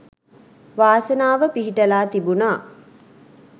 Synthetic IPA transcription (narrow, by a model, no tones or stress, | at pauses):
ʋaːsənaːʋəpiɦiʈəlaːt̪ibunaː